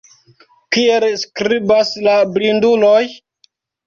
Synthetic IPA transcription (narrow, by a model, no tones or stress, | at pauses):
kielskɾibaslablinduloj